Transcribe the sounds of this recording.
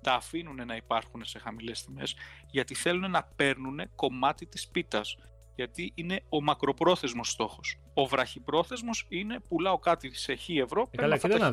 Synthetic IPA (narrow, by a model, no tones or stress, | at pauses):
d̪ɐːfinune̞nɐipɐɾxune̞se̞xɐmile̞st̪ime̞z | ʝɐt̪iθe̞lune̞nɐpe̞ɾnune̞ko̞mɐt̪it̪i̥spit̪ɐs | ʝɐt̪iʔine̞o̞mɐkɾo̞pɾo̞θe̞zmo̞st̪o̞xo̞s | o̞vɾɐçipɾo̞θe̞zmo̞sine̞pulɐo̞kɐt̪ise̞çie̞vɾo̞peɐɐ